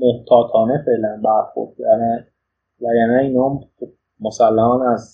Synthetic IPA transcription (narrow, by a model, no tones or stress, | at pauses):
moht̪ʰɒːt̪ʰɒːnefe̞ʔlænbæɾxo̰ɾd̪̥̚dæɾæn | væjænæinɒːmxob̥̚ | mosælːæhɒːnæz